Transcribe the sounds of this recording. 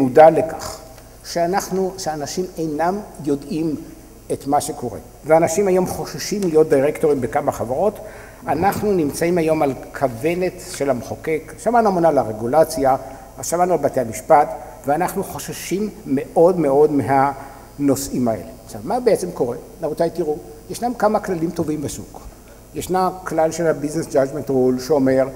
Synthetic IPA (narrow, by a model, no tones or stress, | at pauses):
mudalekaχ | ʃeanaχnuʃeanaʃimejnamjo̞dim | etmaʃe̞ko̞ʁe̞̰ | veanaʃimajo̞mχo̞ʃaʃimlijo̞t̚d̪ijʁekto̞ʁimbekamaχavaʁo̞t | anaχnunimt͡saimajo̞malkʰave̞ne̞tʃe̞lamχoke̞kʃamanuamonalaʁeɡulat͡sjaː | ʃamanualbate̞amiʃpat | veanaχnuχo̞ʃaʃimːe̞ʔo̞dme̞o̞dmeɦa | no̞simae̞̰leʃavmabeet͡semko̞ʁenamut̪ajtiʁujeʃnamkamaklalimto̞vimbesṵɡ̥ | jeʃnaklalʃelhabiznesd͡ʒad͡ʒmentʁolʃeome̞ʁ